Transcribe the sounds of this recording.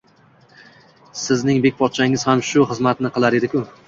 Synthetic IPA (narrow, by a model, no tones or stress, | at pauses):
sɪznɪŋbek̚ʲpʰɒt̪̚t͡ʃʰaɪŋɪz̥hamʃʊχɨzmat̪nɪqʰɨlˠaɾe̞d̪ɪkʰʊ